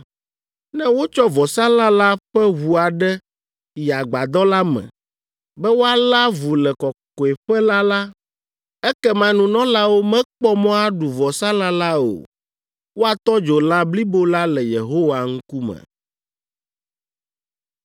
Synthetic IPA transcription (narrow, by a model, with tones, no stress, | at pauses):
nɛ̃˦wo˦t͡ʃɔ˦vɔ˨sa˦la˦la˦ɸɛ˦wu˨a˨ɖɛ˦ | ja˨ɡ͡ba˨d̪ɔ˦la˦mɛ̰̃˨ | bɛ˦wo˦a˨la˦vu˨lɛ˨kɔ˨kɔ˨ɛ˨ɸɛ˦la˦la˦ | ɛ˦kɛ˦mã˨nũ˨nɔ̃˦la˦wo˦mɛ̃˦k͡pɔ˦mɔ̃˦a˦ɖu˨vɔ˨sa˦la˦la˦o̰˨ | wo˦a˨t̪ɔ˦d͡ʒo˨la˦bli˦bo˦la˦lɛ˨jḛ˨ɦo˦wa˨ŋ̩˦ku˦mɛ̰̃˨